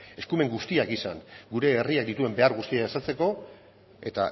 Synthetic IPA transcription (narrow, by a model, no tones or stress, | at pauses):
e̞skume̞ŋɡust̪iakisa̰ŋɡuɾe̞ːriak̚d̪it̪ue̞mbe̞aɾɣust̪iaesat͡se̞ko̞ | e̞t̪a̰